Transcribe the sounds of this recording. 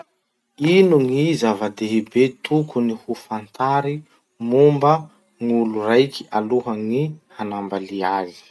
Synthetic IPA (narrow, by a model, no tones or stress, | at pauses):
inuŋizavad̪eɦibet̪ʰukunihufant̪aɾi | mumbə | ŋulurajkʰʲi̥ʔaluɦaŋihanambaliazi̥